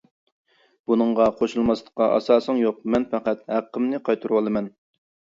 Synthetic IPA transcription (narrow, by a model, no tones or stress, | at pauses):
b̥unɨɴʁɑqʰoʃulˠmɑslˠə̥qːɑʔɑ̰sɑːsɨŋjoq̚mɛnfæqæt̪̚hæqʰːəmnɪqʰɑjt̪ʰuɾwɑlˠɨmɛn